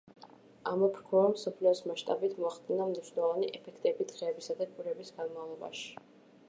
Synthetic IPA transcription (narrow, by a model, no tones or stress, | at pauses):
amɔpʰɾkʰɔamsɔpʰliɔsmaʃt̪ʼabit̪ʰmɔaχd̪ʼinamniʃnɛlˠɔvaniʔɛpʰɛkʰt̪ʼɛbit̪ʰɾɛːbisad̪akʼuɾɛbisɡanmavlˠɔba̰ʃi̥